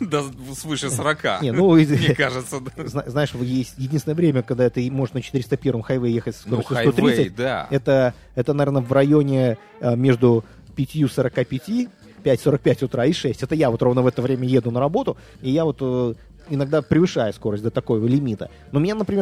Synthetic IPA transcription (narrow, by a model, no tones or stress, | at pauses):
d̪asvɨʂɨsəɾɐka̰nʲenukaʐɨt̪səd̪znaznaɪʂvjesʲtʲjɪdʲinsnəvɾʲemʲəkɐɡ̚d̪aɛt̪ɨmo̞ʐɨʂnət͡ɕɪt̪ɨɪɾʲɪst̪əpʲe̞ɾvəmxɐjvɛjjexətʲsskkoəsʲst̪oɾitsəd̪a̰ɛt̪ə | ɛt̪ənɐvʲernəvrɐjo̞nʲɪ | mʲe̞ʐd̪ʊ | pʲɪtʲjusəɾɐkapʲɪtʲi | pʲætʲso̞ɾək̚pʲætʲʊt̪ɾaɪʂɛsʲtʲɛt̪əjavo̞t̪ɾo̞vnəvɛt̪əvɾʲemʲəje̞d̪ʊnəɾɐbo̞t̪ʊ | ijavot̪ə | ɪnɐɡ̚d̪apɾʲɪvɨʂajʊsko̞ɾəsʲtʲd̪ʲət̪ɐko̞jvəlʲɪmʲit̪ə̰ | nomʲɪnʲanəpɾʲɪmʲe